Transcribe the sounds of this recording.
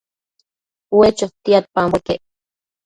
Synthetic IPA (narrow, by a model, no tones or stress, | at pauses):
wet͡ʃot̪iat̪̚pambeke